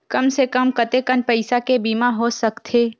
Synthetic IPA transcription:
kɐmsekəmkɐt̪ekənpɐɪsakebiːmaɦosɐkt̪ʰeː

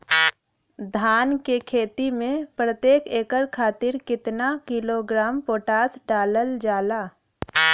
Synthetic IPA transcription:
d̪ʱaːnkekʰeːt̪imẽpɾət̪jeːkeːkəɾkʰaːt̪ɪɾkɪt̪nakɪloɡɾaːmpoːʈaːsɖaːləld͡ʒaːlaː

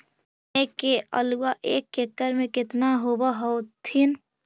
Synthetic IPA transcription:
ekeʔə̰luwaʔeːkːekːəɾmẽkɪt̪naɦobaɦɔt̪ʰin

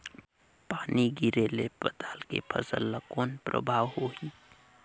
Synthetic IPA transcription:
paːniɡiɾelebət̪aːlkḛpʰə̰sə̰lːəkoːnpɾʔə̰bʱaːwhoi

